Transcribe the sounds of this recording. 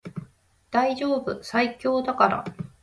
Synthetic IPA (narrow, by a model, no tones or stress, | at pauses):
d̪̥aiʑo̞ːbɯ̟saikʲo̞ːd̪akaɾa̰